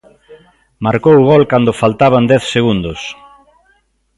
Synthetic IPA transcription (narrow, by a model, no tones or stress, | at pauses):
maɾkowʊɣɔlkand̪ʊfalt̪aβand̪ɛθseɣund̪ʊs